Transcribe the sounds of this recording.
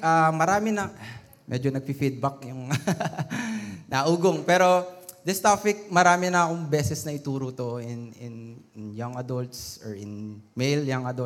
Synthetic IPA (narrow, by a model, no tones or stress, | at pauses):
ʔamɐɾaːmɪnɐ | mʔɛ̰d͡ʒonɐɡ̚pifid̪̚bɐk̚jʊŋ | nʔɐʔuːɡoŋpɛːɾo̞d̪ɪst̪aːpɪk̚mɐɾaːmɪnɐkoŋbɛːsɛsnɐɪt̪uːɾot̪o̞ɪnɪnɪnjaŋɐd̪olt̪sɔɹɪ̰nmejljɐŋʔɐd̪o